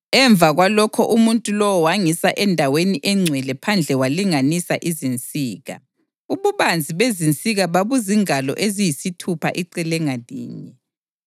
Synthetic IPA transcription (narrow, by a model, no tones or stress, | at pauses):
ɛɱb̪vʱaɣwalɔkʰɔʔumuntʼulɔwɔwaŋisaʔɛndʱaweniʔɛŋ͡ǀʱwɛlɛpʰand͡ɮʱɛwaliŋanisaʔizint͡sʼiːɣa̰ | uβuβand͡zʱiβezint͡sʼiɣaβaβuziŋalɔ̰ʔezijisitʰupʰa̰ʔiǀɛlɛŋadʱḭːɲɛ